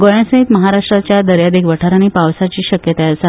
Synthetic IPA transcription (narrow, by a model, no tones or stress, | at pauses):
ɡojansə̃ɦit̪məɦaɾaʂʈɾat͡ɕjad̪əɾjad̪eɡʋəʈʰaɾañipaʋsat͡ɕiːɕəkjət̪aəsa